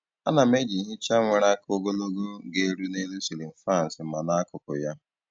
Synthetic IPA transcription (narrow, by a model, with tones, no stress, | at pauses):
a̰˦na˨me˦d͡ʒi˨ɦɪ˦t͡ʃa˦ŋʷe˨ɾa˦ko˦ɡo˦lo˦ɡo˦ɡe˨ɾu˦ne˦lu˦si˨li˨m̩˨fɾa˦˨n̩˨sɪ˨m̩˦ma˨na˦kʊ˨kʊ̰˨ja˦